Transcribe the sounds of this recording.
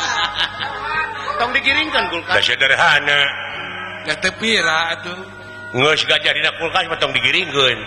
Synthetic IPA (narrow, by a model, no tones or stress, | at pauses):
t̪ɔŋdiɡiɾiŋkənɡulkadasiadaɾeɦana | ɡat̪ɛpiɾaʔt̪u | ŋəsɡad͡ʒadinak̚ulkasmat̪ɔŋdiɡiɾiŋkən